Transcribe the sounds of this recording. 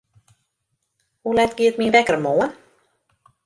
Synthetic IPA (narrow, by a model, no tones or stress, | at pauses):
ulɛt̚ɡ̥iətminvɛkəɾmoːən